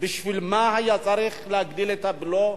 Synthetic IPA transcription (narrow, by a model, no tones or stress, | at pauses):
bɪʃvilmahajat͡sʼaɾiχlehaɡd̪ilet̪ablo